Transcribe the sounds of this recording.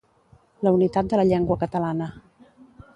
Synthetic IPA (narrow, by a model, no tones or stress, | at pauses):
ləunit̪at̪̚d̪ələʎɛŋɡwəkət̪əlanə